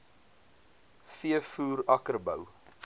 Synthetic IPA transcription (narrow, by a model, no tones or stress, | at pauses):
fiəfuːɾɐkərbəw